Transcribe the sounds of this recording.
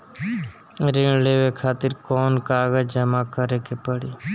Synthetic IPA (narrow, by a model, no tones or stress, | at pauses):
ɾɪɳleːʋekʰaːt̪ɪɾkoːnkaːɡəd͡ʒəmakəɾeːkepəɽiː